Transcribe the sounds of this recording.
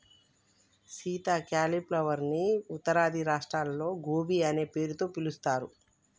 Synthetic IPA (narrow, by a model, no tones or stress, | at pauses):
siːt̪aːkaːliplɐʋɐɾniut̪ːɐɾaːd̪ʱiɾaːʂʈɾaːlɐlo̞ːɡoːbiɐneːpe̞ːɾut̪o̞ːpilust̪aːɾu